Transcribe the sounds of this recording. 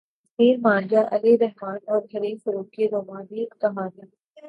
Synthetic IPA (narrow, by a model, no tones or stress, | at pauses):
siːɾmãːnd͡ʒaʔɐliɾɐɦmaːnɔːɾɦɐɾiːfɾoːkiɾoːmaːniɪkt̪ɐɦaːniː